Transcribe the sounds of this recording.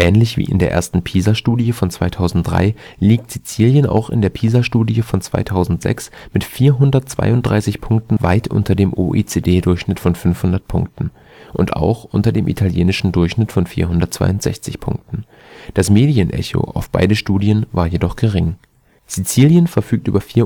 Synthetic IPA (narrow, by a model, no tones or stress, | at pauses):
ʔɛːnlɪçv̥ḭːʔɪ̰ndeːɐʔḛːɐstn̩pʰiːzaʃtuːdiəfɔnt͡sv̥aɪtʰaʊzn̩t̚d̥ʁa̰ɪ | liːk̚tz̥it͡siːljəna̰ʊxɪ̰ndeːɐpʰiːzaʃtuːdiəfɔnt͡sv̥a̰ɪtʰaʊzn̩tz̥ɛ̰ksmɪtfiːɐɦʊndɐtt͡sv̥a̰ɪʊntd̥ʁaɪsɪçpʰʊŋk̚tn̩va̰ɪtʰʔʊ̰ntɐdeːmʔoʔet͡seːdeːdʊɐçʃnɪtfɔnfʏnfhʊndɐt̚pʰʊ̰ŋk̚tn̩ | ʔʊnta̰ʊxʔʊntɐdeːmʔḭtʰaljeːnɪʃn̩dʊɐçʃnɪtfɔnfiːɐɦʊndɐtt͡sv̥a̰ɪʊntz̥ɛ̰çt͡sɪçpʰʊ̰ŋk̚tn̩ | d̥asmeːdiənʔɛ̰ço̰ʔa̰ʊfb̥a̰ɪdəʃtuːdiənvaːɐjedɔχɡ̥əʁɪŋ | z̥it͡siːljənfɛɐfyːk̚tʔyːbɐfiːɐ